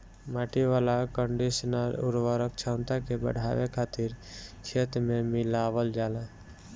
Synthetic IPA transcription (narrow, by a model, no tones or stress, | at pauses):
maːʈiʋalakəɳɖisənəlṵɾʋəɾək̚t͡ʃʰãnt̪akebə̰ɽ̤ʱa̰ʋḛkʰaːt̪iɾt͡ʃʰet̪ɾmemɪlaʋəld͡ʒala